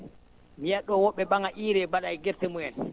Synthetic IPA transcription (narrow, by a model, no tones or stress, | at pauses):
mijaɗːɔwɔɓːɛbaŋaʔiːɾɛbaɗajɡɛɾtɛmuɛn